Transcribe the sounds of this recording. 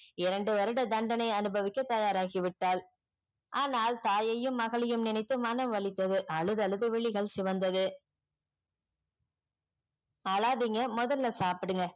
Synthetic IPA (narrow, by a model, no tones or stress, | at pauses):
ɪɾɐɳɖɯʋɐɾɯɽɐd̪ɐɳɖɐnɐɪɐnɯbɐʋɪkːɐt̪ɐjaːɾaːɣɪʋɪʈːaːl | ʔaːnaːlt̪aːjɐjɯmːɐɣɐɭɪjɯmnɪnɐɪt̪ːɯmɐnɐmʋɐɭɪt̪ːɐðɯʔɐɭɯðɐɭɯðɯʋɛɭɪɣɐɭsɪʋɐnd̪ɐðɯ | ɐlaːðiŋɡɐmɔðɐlːɐsaːpɪɽɯŋɡɐ